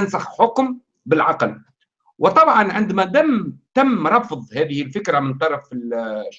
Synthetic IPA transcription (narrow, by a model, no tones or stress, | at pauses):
nsaxħʊkm | bɪlʕɑql | wɪt̪ˤɑbʕɑnʕɪnd̪mæd̪amt̪amːɾˤɑfðˤhæːðɪhɪlfɪkɾamɪnt̪ˤɑɾˤɑfɪl